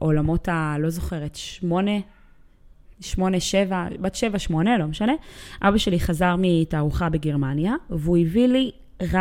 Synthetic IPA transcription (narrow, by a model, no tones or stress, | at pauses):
ʔo̞lamo̞talo̞zo̞χe̞ʁetʃmo̞ne | ʃmo̞neʃevabatʃevaʃmo̞nelo̞meʃane̞ʔabaʃeliχazaʁmitaːʁuχabeɡeʁmanjaveuivili | ʁa